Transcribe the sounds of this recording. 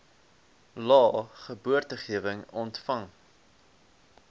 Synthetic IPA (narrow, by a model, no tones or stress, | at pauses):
lɑːχəbuərtəχiəvəŋɔntfɐŋ